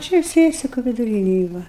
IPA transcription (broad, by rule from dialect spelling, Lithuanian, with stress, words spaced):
ˈt͡ʃʲɛ ˈsʲiɛsʲɪkʊ ʋʲɪdʊˈrʲiːnʲɛj ˈʋɐ